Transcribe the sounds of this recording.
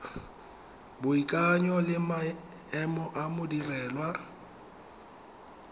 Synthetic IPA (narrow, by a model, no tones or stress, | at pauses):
bʊikʼaɲɔlɪma | ɛmɔʔamʊdirɛːlwa